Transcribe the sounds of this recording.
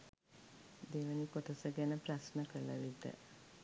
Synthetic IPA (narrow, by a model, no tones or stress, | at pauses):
d̪eːʋənikot̪əsəɡɛnəprasnəkələ̰lit̪ə̰